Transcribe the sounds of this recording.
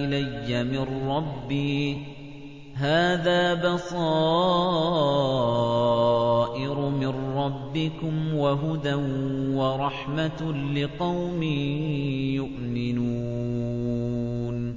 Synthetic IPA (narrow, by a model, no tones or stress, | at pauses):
ɪlajːamɪnɾɑbːiː | ɦaːðaːbɑsˤɑː | ʔɪɾʊmɪnɾɑbːɪkʊmwaɦʊd̪anwaɾˤɑħmalɪqɑwmiːjʊʔmɪnuː | n